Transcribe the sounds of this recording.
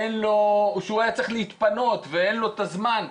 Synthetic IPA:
enlo̞ʃeuajat͡sʁeχliit̪pano̞t̪veenlo̞t̪azman

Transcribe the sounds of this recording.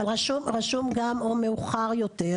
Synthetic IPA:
alʁaʃumʁaʃumɡamomeuχaʁjo̞t̪eʁ

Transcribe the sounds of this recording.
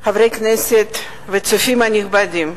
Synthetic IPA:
havɾejkneset̪ | vet͡sufimanixbad̪im

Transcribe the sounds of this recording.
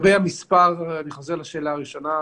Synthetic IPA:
bejamispaʁaniχo̞zeʁlaʃe̞ːlaːʁiʃo̞na

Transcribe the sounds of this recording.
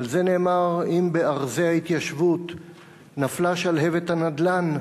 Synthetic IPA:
alze̞ne̞ːmaʁimbe̞aʁzeait̪jaʃvut̪ | naflaʃalɦe̞vet̪hanad̪lan

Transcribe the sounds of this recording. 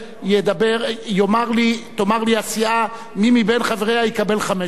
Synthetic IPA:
jed̪abeʁjomaʁlit̪omaʁliasia | mimibenχaveʁeajekabe̞lχame

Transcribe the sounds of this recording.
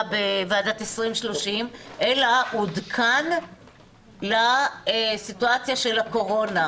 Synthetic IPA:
beveaːdat̪esʁimʃlo̞ʃimʔelaudkʰan | laesituat͡sjaʃe̞lako̞ʁo̞na

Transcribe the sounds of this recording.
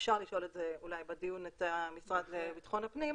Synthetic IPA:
fʃaʁliʃo̞le̞tzeulajbed̪ijunet̪amisʁad̪lebit̪χo̞nhapnim

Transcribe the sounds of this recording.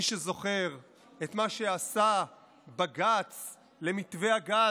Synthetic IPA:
iʃezo̞χe̞ʁ | et̪maʃe̞asa | baɡat͡s | le̞mit̪ve̞aɡa

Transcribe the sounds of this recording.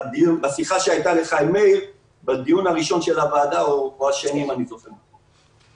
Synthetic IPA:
d̪iunbasiχaʃeajt̪ale̞χajmejl | bad̪ijunaʁiʃo̞nʃelavaːd̪aooaʃenimanizo̞χeo

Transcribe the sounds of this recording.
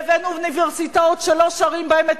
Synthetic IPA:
venuvniveʁsitaot̪ʃeloʃaʁimbaemet

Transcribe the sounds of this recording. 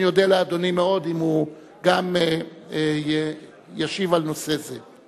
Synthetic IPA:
jod̪ealead̪o̞nimeo̞d̪imhu | ɡame | jaʃivalno̞seze

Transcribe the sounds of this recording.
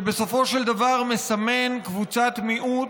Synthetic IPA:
be̞so̞fo̞ʃeld̪avaʁme̞same̞nkvut͡sat̪miʔu

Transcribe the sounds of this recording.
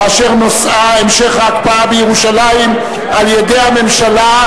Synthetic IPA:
aʃe̞ʁnosaemʃe̞χhaːkpaabejeʁuʃalajim | aljede̞jhame̞mʃala

